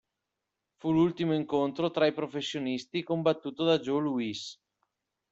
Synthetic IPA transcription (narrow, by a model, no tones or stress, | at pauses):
fulult̪imoiŋkont̪ɾot̪ɾaipɾofesːjonist̪ikombat̪ːuːt̪od̪ad͡ʒoluis